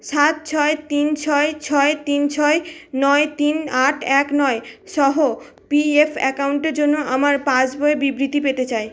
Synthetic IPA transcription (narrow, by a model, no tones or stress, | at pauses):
ʃat̪̚t͡ɕʰɔet̪int͡ɕʰɔet͡ɕʰɔet̪int͡ɕʰɔenɔet̪inaʈʰɛknɔeʃɔɦo | piefɛ̰kawɳʈeɾd͡ʑonːoʔamaɾpãd͡ʑboebibɾit̪ipet̪et͡ɕae